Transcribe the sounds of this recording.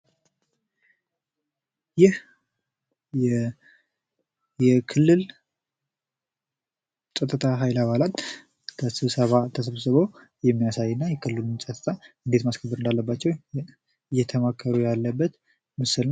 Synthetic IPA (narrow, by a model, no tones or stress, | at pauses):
jɪh | jɛ | jɛkʰɨlːɨl | sʼət̪ʼːɨt̪ʰaɦajlaβalat̪ | kʰəsɨβsəβat̪ʰəsəβsɨβo | jɛmːijasajːɨnːajɛkʰɨlːɨlsʼət̪ːɨt̪ʰʼaʔɨnd̪et̪maskʰəbːəɾɨnd̪alːəbːat͡ʃːɛw | ɨjːɛt̪ʰəmakʰːəɾujalːəbːət̪ | mɨsɨln